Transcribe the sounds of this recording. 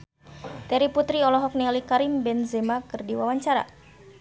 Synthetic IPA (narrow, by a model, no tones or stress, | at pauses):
t̪ɛɾiput̪ɾiɔlɔɦɔk̚nɛlikaɾimbɛnzɛmakɨrdiwawaɲt͡ʃaɾa̰